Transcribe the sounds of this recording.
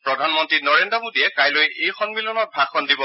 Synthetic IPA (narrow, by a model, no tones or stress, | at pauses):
pɹɔdʱanmɔntɹinɔɹendɹɔmodiɛkajlojejxʰɔnmilɔnɔt̚bʱaɡʰɔndibɔ